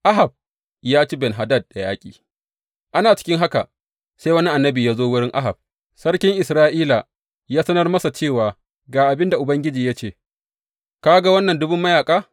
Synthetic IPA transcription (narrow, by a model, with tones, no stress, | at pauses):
ʔa˦ɦa˨b̚ | jaː˦t͡ʃi˦bɛ˨nɦa˨dɐ˦˨d̚da˨jaː˦kʲʼḭː˨ | ʔa˦naː˨t͡ʃɪ̥˦kʲɪ˦ŋɦa˦ka̰˨ | sa˦jwɐ˦ni˦ʔa˨nːɐ˦biː˨jaː˦zoː˦wʊ˦ɽɪ˦ŋʔa̰˦ɦa˨b̚ | sɐ˦ɽkʲɪ˦ŋʔɪ˨sɾaː˦ʔiː˦la˨ | jaː˦sɐ˦nɐ˦rmɐ˦sa˨t͡ʃeː˦˨waː˨ | ɡaː˨ʔa˨bɪ˦nda˨ʔʊ˨bɐ˦ŋɡʲɪ˦d͡ʒiː˨ja˦t͡ʃeː˦˨ | kaː˦ɡa˦wɐ˦nːɐ˨ndʊ˦bʊ˦mːɐ˦jaː˨kʼaː˦